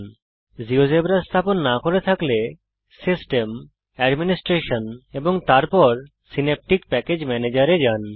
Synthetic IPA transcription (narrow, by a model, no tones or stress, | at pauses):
n | ziozebɾast̪ʰaponːakoɾet̪ʰakle | sisʈem | ɛɖminisʈɾeʃoneboŋt̪aɾpɔɾ | sinep̚ʈik̚pɛked͡ʑmɛned͡ʑaɾed͡ʑan